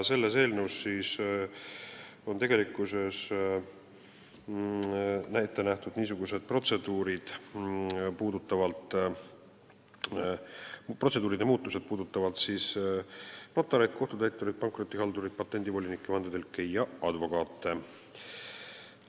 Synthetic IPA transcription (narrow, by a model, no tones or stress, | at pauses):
se̞lːe̞se̞ːlnewsːiːs | o̞nt̪e̞ɡe̞likːˑuse̞s | næjt̪ːˑe̞næht̪ud̪niːsuɡuse̞d̪̥̚pro̞t̪se̞d̪uːɾid̪̥ | puːd̪ut̪ːˑɑvɑlt̪ | prose̞d̪uːɾid̪̥e̞muːt̪ːˑuse̞d̪̥̚puːd̪ut̪ːˑɑvɑlt̪siːs | pɑt̪ːˑɑɾejd̪̥̚ko̞ht̪ut̪æjt̪ːˑuɾid̪̚pɑŋkˑro̞t̪ːˑihɑld̪uɾid̪̥̚pɑt̪ːˑe̞nd̪ivo̞lʲinikːˑemɑnd̪ed̪elkːejɑɑd̪vo̞kɑːt̪ˑːe̞